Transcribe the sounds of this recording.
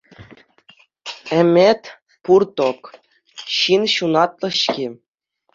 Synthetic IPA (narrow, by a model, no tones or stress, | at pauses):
ɘ̆mʲet̪ʲ | purt̪ok | ɕinɕunɑt̪lˠɤ̆ɕkʲi